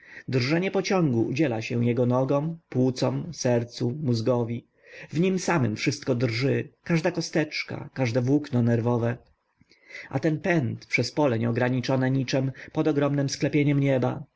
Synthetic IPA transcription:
d̪rʐɛɲɛpɔt͡ɕɔ̃ŋɡṵːd͡ʑɛlaɕɛw̃jɛɡɔnɔɡɔ̃mpwut̪sɔmsɛɾt̪sumuzɡɔvʲi | vɲimsamɘmfʂɘst̪̚kɔd̪rʐɘkaʐd̪akɔst̪ɛt͡ʂka̰kaʐd̪ɛvwuknɔnɛɾvɔvɛ | ʔa̰t̪ɛnpɛnt̪pʂɛspɔlɛɲɛɔɡɾaɲit͡ʂɔnɛɲit͡ʂɛmpɔd̪ɔɡɾɔmnɛmsklɛpʲjeɲɛmɲɛba̰

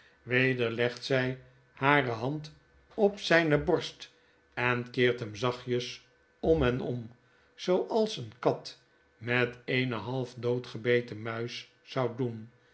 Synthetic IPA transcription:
ʋejdəɹlɛχtsɛj | haːrəɦɑnt | ɔpsɛjnəbɔɹst | ɛnkɪːɹtɦəmzɑχjəs | ɔmɦɛnɔ̰m | z̥owʔɑlˠsənkɑt | mɛtejnəɦɑlˠfdowtχəbejtəmœɥs | sɑwdun

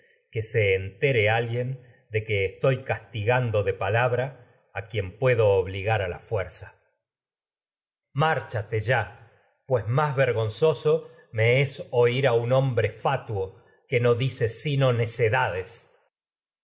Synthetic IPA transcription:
keseːnt̪eɾealɣje̞n | d̪e̞keːst̪o̞jkast̪iɣand̪o̞ðe̞palaβɾaː | kje̞mpwe̞ðoːβ̞liɣaɾala̰fweɾsḁ | maɾt͡ʃat̪eʒa | pwe̞zmazβeɾɣo̞nso̞so̞ | me̞eso̞iɾaunõ̞mbɾe̞fat̪wo | ke̞no̞ðise̞sino̞ne̞seðað̞es

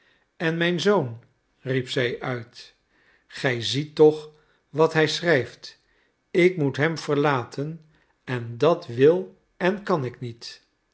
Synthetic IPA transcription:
ɛnmɛjnzown | ripsɛjʔœɥt | χɛjzitːɔχ | ʋɑtɦɛjsrɛjft | ɪkmutɦɛmv̥əɹlaːtʰən | ɛndɑtʋɪlˠ | ɛnkɑnɪknit

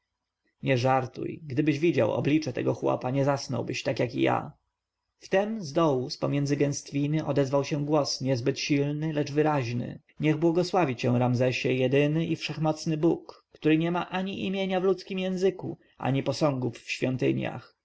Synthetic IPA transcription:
ɲɛʐaɾt̪ṵjɡd̪ɘbɘʑvʲid͡ʑa̰wɔ̰blʲit͡ʂɛt̪ɛ̰ɡɔxwɔ̰paɲɛzasnɔ̰wbɘɕt̪akjakḭja̰ | ft̪ɛmzd̪ɔwuspɔmʲjɛnd̪zɘɡɛ̃ñst̪fʲinɘʔɔd̪ɛzvawɕɛ̃ɡwɔsɲɛzbɘt̪ɕilnɘlɛʐvɘɾaʑnɘ̰ | ɲɛɣbwɔɡɔswavʲit͡ɕɛw̃ɾamzɛɕɛjɛd̪ɘnɘʔifʂɛxmɔt̪snɘbukː | t̪uɾɘɲɛmaʔaɲiʔimʲjeɲavlut̪skʲimjɛ̃w̃zɘkṵ | ʔa̰ɲipɔsɔ̃ŋɡufːɕfʲjɔnt̪ɘ̰ɲja̰x

